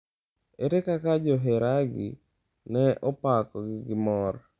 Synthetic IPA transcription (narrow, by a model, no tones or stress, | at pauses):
eɾekakad͡ʒɔɦeɾaɡɪ̰ | nɛʔɔpakɔɡɪɡɪmɔɾ